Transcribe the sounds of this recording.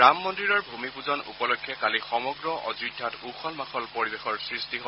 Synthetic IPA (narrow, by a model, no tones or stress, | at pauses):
amːɔntɹiɹɔɹbʱumipuzɔnṵpɔlɔkʰːjɔkalixɔmɔɡɹɔʔɔ̰zudʱːatuxɔlmaxɔlpoɹibexɔɹsɹistiɦɔ